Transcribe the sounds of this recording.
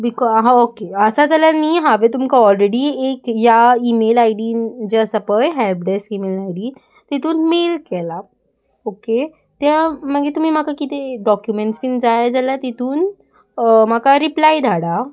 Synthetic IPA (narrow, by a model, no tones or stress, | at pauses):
bikɔɦãokeəsad͡zaljanːiːɦaʋet̪̬umkaɔlɾeɽiːekjaimelajɖid͡ʑeəsapəjɦɛlp̚ɖesimelajɖi | t̪et̪uːnmelkɛla | oke | t̪jaməɡet̪um̤iːm̤akakit̪eɖɔkjumeɳʈsfind͡zajd͡zaljat̪et̪ʰuːn | m̤akaɾiplajd̪ʱaɽa